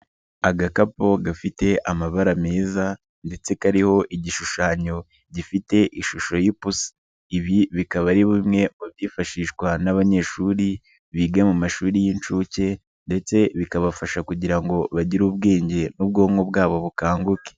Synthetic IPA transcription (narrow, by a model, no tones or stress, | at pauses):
aɡakapo̞ɡafite̞ʔamaβaɾameːza | nde̞t͡se̞kaɾiho̞ʔiɟiʃuʃaːɲo̞ | ɟifite̞ʔiʃuʃo̞jipus | iβiβikaβaɾiβumŋe̞muβjiːfaʃiːʃkwanaβaɲe̞ʃuːɾi | βiːɡamumaʃuːɾijint͡ʃuːce̞ | nde̞t͡se̞βikaβafaʃakuɟiɾaŋɡo̞βaɟiɾuːb̚ɡeːɲɟe̞nub̚ɡo̞ːŋobɡaːβo̞βukaːŋɡuke̥